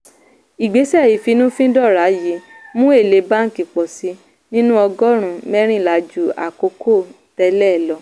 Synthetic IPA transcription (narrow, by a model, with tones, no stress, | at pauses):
i˨ɡ͡be˨˦sɛ˦˨ji˨fi˧nũ˦fĩ˦dɔ˦˨ɾa˨˦ji˨˦mũ˦e˦˨le˨˧˦ba˦ŋ̩˦˨ki˨k͡pɔ˨si˨˦ | nĩ˦nũ˦ɔ˧ɡɔ˦ɾ̃ũ˨mɛ˦ɾ̃ĩ˦˨la˨d͡ʒu˨˦a̰˨ko˨˧˦kʰo˦˨ | tɛ˧˦lɛ˦˨lɔ˧˦